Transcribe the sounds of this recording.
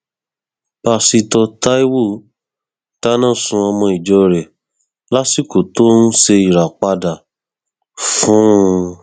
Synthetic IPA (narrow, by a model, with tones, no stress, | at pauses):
b̥a˧si˧tɔ˧ta˦i˦wo˦˨ | ta˦nã˦˨sũ˧a˧mɔ̃˧i˨d͡ʒɔ˧ɾɛ˨ | la˦si˦˨ko˨to˦nũ˦se˧i˨ɾa˨k͡pa˧da˨ | fũ˦˧